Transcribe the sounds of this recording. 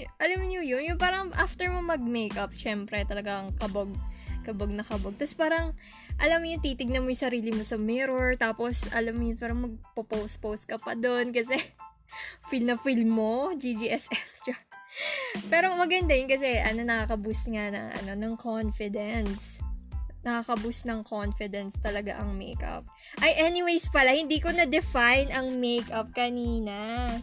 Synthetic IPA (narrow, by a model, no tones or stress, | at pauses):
ʔɐlamɲʊjʊnjʊnpaːɾɐŋʔaft̪ɛɹmomɐɡ̚mejkɐp̚ʃɛmpɾɛt̪ɐlɐɡaŋkɐbɐɡ̚kɐbɐɡ̚nɐkɐbɐɡ̚t̪ɐspaːɾɐŋ | ʔɐlamːojʊnt̪iːt̪ɪɡ̚nɐnmojŋsɐɾiːlɪmosɐmɪɾoɹt̪aːpo̞sɐ̰lamːojʊnpaːɾɐŋmɐɡ̚popows̚pows̚kɐpɐ̰d̪onkɐsɛ | filmnɐfilmːod͡ʒid͡ʒiʔɛsʔɛkst̪ɹa | pɛːɾo̞mɐɡɐnd̪ajʊnkɐsɛʔɐno̞nɐkakɐbʊsŋanɐ̰ŋʔɐ̰no̞nɐŋkʰonfɪd̪ɛns | nɐkakɐbʊsnɐŋkʰonfɪd̪ɛnst̪ɐlɐɡa̰ʔɐŋmḛjkɐ̰p̚ | ʔɐjʔɛnɪwejspɐlahɪnd̪iːko̞nɐd̪ɛfajnɐŋmejkɐp̚kɐniːna